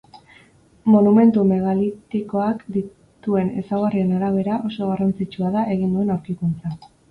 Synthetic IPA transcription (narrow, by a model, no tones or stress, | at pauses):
mo̞nume̞nt̪ume̞ɣalit̪iko̞akd̪i | t̪ue̞ne̞̰sawɣarie̞naɾaβ̞e̞ɾaʔo̞so̞ɣ̞arant͡sit͡ʃuaðaʔe̞ɣ̞ind̪ue̞nawɾkikunt͡sa